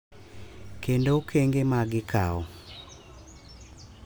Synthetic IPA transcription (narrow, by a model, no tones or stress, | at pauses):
kendoukʰeŋɡemaɡɪkʰa̰ɔ